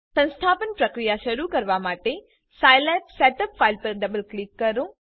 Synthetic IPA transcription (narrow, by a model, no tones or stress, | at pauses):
sə̃ñst̪ʰaːpənpɾɐkɾijaʃɐɾukɐɾʋamaːʈe | saːjlɛːpsɛːʈəpfaɪlpəɾɖɐbəlklikːɐɾõ